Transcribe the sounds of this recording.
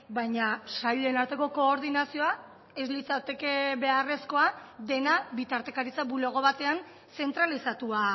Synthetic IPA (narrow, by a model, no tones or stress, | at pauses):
bajɲasajʎenaɾt̪e̞ko̞ko̞ːɾð̞inasio̞a | e̞zlit͡sat̪e̞ke̞βe̞are̞sko̞ad̪e̞naβit̪aɾt̪e̞kaɾit͡sabuloɣ̞o̞βat̪e̞an | se̞nt̪ɾalisat̪ua